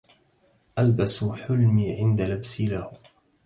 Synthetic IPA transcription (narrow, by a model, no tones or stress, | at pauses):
ʔalbasuħʊlmiːʕɪnd̪alabsilahʊ